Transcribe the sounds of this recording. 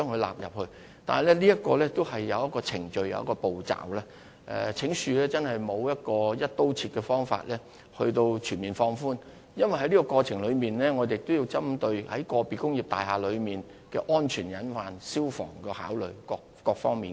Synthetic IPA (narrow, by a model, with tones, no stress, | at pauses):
t͡ʃœː˥ŋkʰɵ˧ɥla̰ː˨p̚jɐ˨p̚hɵ˧ɥ | t̪aː˨nɐ˨˩lɛː˥liː˥jɐ˥t̚kɔː˧lɛː˥t̪o˥whɐ˨jːɐ˨˧wjɐ˥t̚kːɔː˧t͡sʰɪ˨˩ŋt͡ʃɵ˨˧ɥjɐ̰˧wjɐ̰˥kɔː˧po˨wt͡sa̰ː˨˩wlaː˥ | ʔɛ̰˨t͡sʰɪ˨˥ŋsyː˨˧lɛː˥t͡sɐ˥nhɐ˨jmo˨˧wjɐ˥t̚kɔː˧jɐ˥t̚t̪o˥wt͡sʰiː˧t̚kɛː˧fɔː˥ŋfa̰ː˧t̚lɛː˥ | hɵ˧ɥt̪o˧wt͡ʃʰyː˨˩nmiː˨nfɔː˧ŋfuː˥n | jɐ˥nwɐ˨jɦɐ˦˥jliː˥kɔ˧kɔː˧t͡sʰɪ˨˩ŋlɵ˨˧miː˨nlɛː˥ŋɔː˨˧d̪e˨jɪ˨kt̪ːwjiː˧wt͡sɐ˥mt̪ɵ˧ɥhɐ̰˨˥jkɔː˧piː˨˩kʊ˥ŋji˨p̚t̪aː˨jɦaː˨lɵ˨˧miː˨n | kɛ̰ː˧ʔɔː˥nt͡ʃʰyː˨˩njɐ˨˥nfaː˨nsiː˥wfɔ̰ː˨˩ŋkɛː˧haː˨˥wlɵ˨ɥkɔː˧kkɔː˧k̚fɔː˥ŋmiː˨n